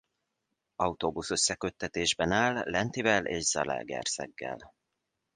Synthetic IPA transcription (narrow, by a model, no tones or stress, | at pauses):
ɒut̪oːbusøsːɛkø̞t̪ːɛt̪eːʒbɛnaːlːɛnt̪ivɛlʔeːʒz̥ɒ̰lɛ̰lɡɛ̰rsɛ̰ɡːɛ̰l